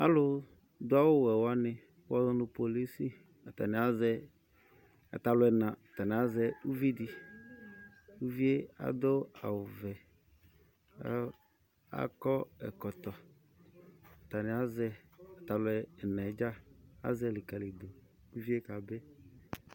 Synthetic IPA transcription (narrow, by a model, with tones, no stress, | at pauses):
a̰˦lʊ˦ | d̪ʊ˦a˦wʊ˦wɛ˨wa˦nɪ̃˨ | wɔ˦zɔ˦nʊ̃˨po˨li˦si˦ | a˨t̪a̰˨nɪ̃˨˦a˦zɛ˦ | a̰˨t̪a˨lʊ˦ɛ˨nã˨a˨t̪a˨nɪ˨a˨˦zɛ˨u˦vi˦di˨ | wu˦vi˦e˦a̰˨d̪o˦a˨wʊ˨vɛ˨˦ | a̰˨kɔ˦ɛ̰˨kɔ˨t̪ɔ˨ | a˨t̪a˨nɪ˨˦a˦zɛ˦a˨t̪a˨lʊ˨˦ɛ˨ɛ˨nã˨˦d͡ʒa˦a̰˦zɛ˦˨li˨ka˨le˨d̪o˨ | u˦vi˦e˦ka˨bɛ˦